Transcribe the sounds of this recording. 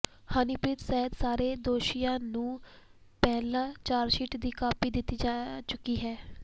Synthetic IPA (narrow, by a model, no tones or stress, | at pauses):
haːnipɾiːt̪sɛːɦət̪saːɾeːd̪oːʃɪjãːnũːpɛːlãːt͡ʃaːɾʃiʈd̪iːkaːpiːd̪ɪt̪ːiːd͡ʒaːt͡ʃʊkːiːɦɛː